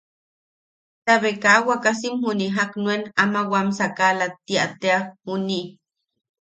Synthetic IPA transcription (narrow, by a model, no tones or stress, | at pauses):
t̪aβekawakasimhuniɦaknwenamawamsakalat̪ːiat̪eahuni